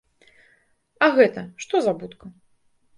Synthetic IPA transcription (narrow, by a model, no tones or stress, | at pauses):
ɐɣɛt̪ɐʂt̪ɔzabut̪kɐ